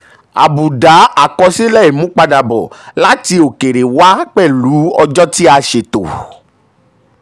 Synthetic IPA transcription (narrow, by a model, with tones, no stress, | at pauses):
a̰˨bu˨da˨˦ʔa˨kɔ˧si˦lɛ˦˨i˨mũ˨˦k͡pa˧da˨bɔ̰˨la˦ti˧o˨ke˨ɾe˨wa˦k͡pɛ˦˨lu˨˦ɔ˧d͡ʒɔ˦ti˦a˧ʃe˨to̰˨